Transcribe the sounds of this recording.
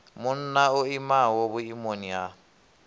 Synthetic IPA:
mʊn̩naʊimawobʊimonia

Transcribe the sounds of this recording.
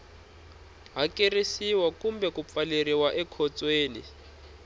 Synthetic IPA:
ɦakʼerisiwakumbɛkup̪faleriwaʔɛkʰɔt͡sʼweːnḭ

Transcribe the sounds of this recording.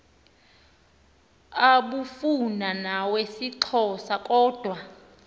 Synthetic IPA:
aɓufunanawesiǁʰɔsakʼɔːd̥ʱwa

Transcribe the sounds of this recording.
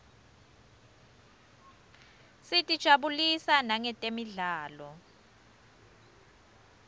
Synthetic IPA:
sitʼid̥ʒ̥ʱaɓulisanaŋɛtʼemiɮaːlɔ

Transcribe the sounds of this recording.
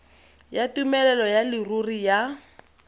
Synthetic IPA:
jatumɛlɛlɔjalirurija

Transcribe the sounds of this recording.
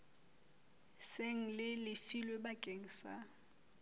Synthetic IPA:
seŋ̩lɪlɪfilwebakʼeŋ̩sa

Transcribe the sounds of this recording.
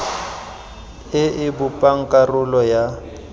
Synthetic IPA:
ɪɪbʊpʼaŋ̩kʼarʊlɔja

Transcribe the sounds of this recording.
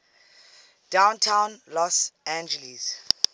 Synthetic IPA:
d̥ãwntʰãwnlɔsãnd͡ʒɛlis

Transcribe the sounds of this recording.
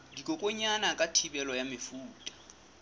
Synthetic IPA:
dikʼɔkʼoɲanakʼatʰibɛlɔjamɪfuːtʼḁ

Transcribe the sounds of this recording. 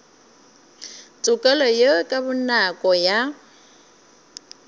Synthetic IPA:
t͡sʼʊkʼɛlɔjokʼabʊnakʼɔja

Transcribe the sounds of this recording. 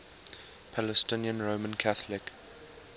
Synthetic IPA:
pʰaləstɪ̃niə̃nɹoʊmə̃nkʰaθəlɪk

